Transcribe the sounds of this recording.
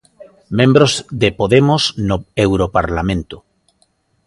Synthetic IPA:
mẽmbɾozðepoðemoznoewɾopaɾlamẽnt̪o

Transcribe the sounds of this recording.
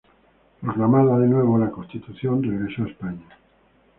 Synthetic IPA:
pɾoklamaðaðenwe̞β̞olakonst̪it̪uθjo̞nreɣɾesoaespaɲa

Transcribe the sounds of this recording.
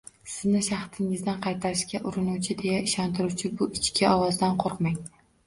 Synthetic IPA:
sɪznɪʃɑχt̪ʰɪŋɪzd̪anqʰɑjt̪ʰaɾɪʃkʲaʔʊɾɪnuwt͡ʃʰɪd̪e̞jaɪʃɒnt̪ʰɪɾuwt͡ʃʰɪbʊʔɪt͡ʃkʲʰɪɒwɒzd̪anqʰoɾqmaŋ

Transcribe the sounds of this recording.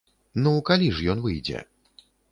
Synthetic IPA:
nukalʲiʐjɔnvɨjd͡zʲɛ̰

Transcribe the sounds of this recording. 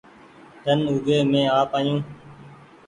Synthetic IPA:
d̪ʱənʊɡeːmẽːaːpaːjũː

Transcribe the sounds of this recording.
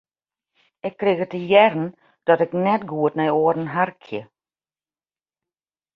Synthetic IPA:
ɪkːriɣətəjɛrn̩ | d̥ɔtɪknɛtɡuətnɛjoəɾn̩ɦarkʰjə̰

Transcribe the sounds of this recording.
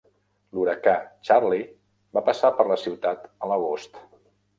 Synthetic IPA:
luɾəkat͡ʃaɾli | bapəsapəɾləsiwt̪at̪ələɣost̪

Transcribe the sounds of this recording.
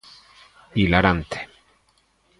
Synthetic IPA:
ilaɾant̪e̥

